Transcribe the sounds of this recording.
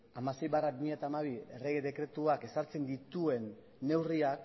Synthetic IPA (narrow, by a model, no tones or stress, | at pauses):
amase̞jβaraβmiat̪aːmaβiere̞ɣeðe̞kɾe̞t̪uake̞saɾt͡se̞nd̪it̪ue̞nː | e̞wriak